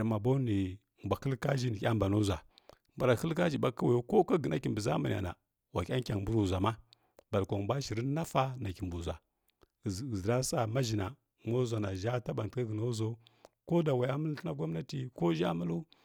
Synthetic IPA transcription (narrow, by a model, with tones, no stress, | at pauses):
ɾma˨bo˦ni˨ | m˨bʷa˨xə˦lka˦ʒi˦ni˨kʲa˦m˨ba˨no˦zʷa˨ | mba˨ɾa˨xə˦lka˦d͡ʒi˨ba˦ka˦wa˨jo˦ko˦ka˦ɡə˨na˨˦ki˨mbu˨za˦ma˨n˨a̰˨na̰˨ | wa˨kʲa˦ŋ˦kʲa˨ŋ˨mbu˦ɾu˨zʷa˨ma˦ | ba˨lkʷa˨bʷa˦ʃi˨ɾi˦na˦fa˦na˨ki˨m˨bu˨zʷa˨ | zɾa˦sa˨ma˦ʒi˨na˨ | mo˦zʷa˨na˨ʒa˦ta˦ba˨n˨tka˦ɡə˨no˦zo˦ko˦da˨wa˨ja˦mə˦lna˦ɡʷa˦m˦na˦ti˨ko˦ʒa̰˦mə˦lu˦